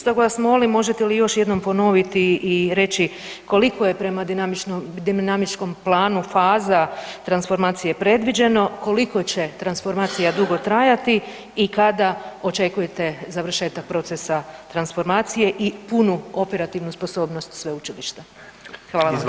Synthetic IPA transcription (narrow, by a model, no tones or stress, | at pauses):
st̪oɡlasmolimo̞ʒet̪elijo̞ʃje̞d̪no̞mpo̞no̞ʋit̪iʔːɾe̞t͡ɕi | ko̞liko̞je̞pɾe̞mad̪inamid̪inamit͡ʃko̞mplˠaːnufaːzat̪ɾansfo̞ɾmaːt̪sije̞pɾe̞d̪ʋid͡ʑe̞no̞ko̞liko̞t͡ɕe̞t̪ɾansfo̞ɾmaːt̪sijad̪uɡo̞t̪ɾajat̪i | ikad̪ao̞t͡ʃe̞kuje̞t̪e̞zaʋr̩ʃe̞ːt̪ak̚pɾo̞t̪sesat̪ɾansfo̞ɾmaːt̪sije̞ʔipunuo̞pe̞ɾat̪iʋnuspo̞so̞ːbno̞st̪sʋe̞ut͡ʃiliʃt̪ḁ | xʋaːlˠaʋam